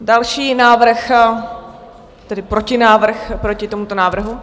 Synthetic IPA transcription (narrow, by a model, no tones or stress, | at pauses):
dalʃiːnaːvr̩x | t̪ɛdɪpɾo̞cɪnaːvr̩xpɾo̞cɪt̪omut̪o̞naːvr̩ɦu